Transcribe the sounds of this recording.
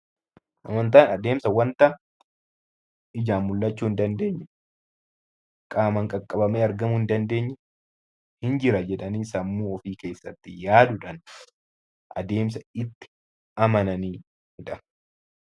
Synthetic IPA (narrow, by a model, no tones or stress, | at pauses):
ʔɐmɐnt̪aːnɐd̪e̞ːmsɐwɐnt̪ɐ | ɪd͡ʒaːmːʊlːɐt͡ʃːuːɪnd̪ɐnd̪e̞ːɲːɛ | kʼaːmɐŋkʼɐkʼːɐbɐmeːɐɾɡɐmʊhɪnd̪ɐnd̪e̞ːɲːɛ | hɪnd͡ʒɪɾɐd͡ʒɛᶑɐniːsɐmːuːɔfiːke̞ːsːɐt̪ːɪjaːd̪ʊᶑɐn | ʔɐd̪e̞ːms̬ɐɪt̪ːɪ̥ | ɐmɐnɐniː | hʊᶑɐ